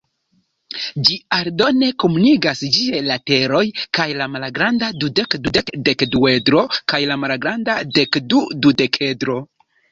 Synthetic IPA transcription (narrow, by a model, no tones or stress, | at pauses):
d͡ʒiaɾdo̞ne̞komuniɡasd͡ʒielate̞ɾo̞jkajlamalɡɾandadude̞kdude̞kde̞kdue̞dɾo̞kajlamalɡɾandade̞kdudude̞kʰe̞dɾo̞